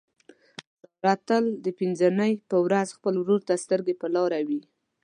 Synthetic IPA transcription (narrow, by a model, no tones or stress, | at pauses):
ɾɑt̪əld̪əpinzənəjpəwɾazxpəlwɾoɾt̪ast̪əɾɡepəlɑɾawi